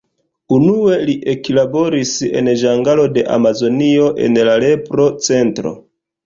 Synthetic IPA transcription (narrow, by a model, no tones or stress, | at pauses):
unue̞liʔeklabo̞ɾise̞̰nʒaŋɡalo̞de̞ʔa̰mazo̞nio̞ʔe̞̰nlale̞pɾo̞t͡se̞ntɾo̞̰